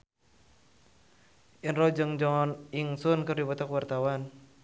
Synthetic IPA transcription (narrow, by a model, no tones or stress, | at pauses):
ʔinrɔd͡ʒɨŋd͡ʒɔniŋsunkɨrdibɔt̪akwart̪awan